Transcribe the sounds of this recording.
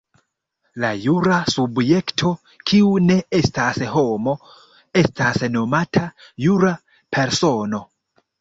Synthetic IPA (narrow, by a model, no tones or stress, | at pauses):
lajuɾasubje̞ktʰo̞ | kʰiune̞e̞stasɦo̞mo̞ | e̞stasno̞matʰajuɾa | pʰe̞ɾso̞no̞